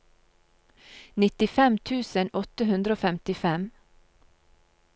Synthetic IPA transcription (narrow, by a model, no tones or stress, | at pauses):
nɪt̪ɪfɛmt̪ʰʉːsənɔt̪əhʉnd̪ɾəoːfɛmt̪ɪfɛm